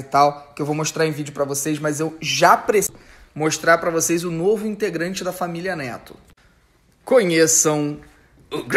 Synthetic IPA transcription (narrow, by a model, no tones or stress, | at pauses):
t̪awkɪewvowmoʃt̪ɾaɾẽvid͡ʒʊpɾɐvosejzmɐzewʒapɾes | moʃt̪ɾaɾpɾɐvosejzʊnovʊĩnt̪eɡɾɐ̃nt͡ʃɪd̪ɐfamiliɐnɛt̪ʊ̥̰ | kõɲesɐ̃w̃ | ʊɡ